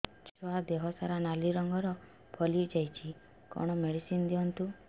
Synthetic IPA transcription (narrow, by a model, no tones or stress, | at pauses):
t͡ʃɔad̪eɦɔsaɾanaliɾɔŋɡɔɾɔ | bʰʱɔlid͡ʒajt͡ʃʰi | kɔ̰ɽ̃ɔmeɽisind̪iɔnt̪u